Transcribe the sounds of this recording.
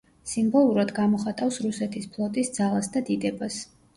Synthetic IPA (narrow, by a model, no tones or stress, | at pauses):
simbɔlˠuɾad̪ɡamɔχat̪ʼafsɾusɛt̪ʰispʰlˠɔt̪ʼisd̪z̥alˠasd̪ad̪id̪ɛbas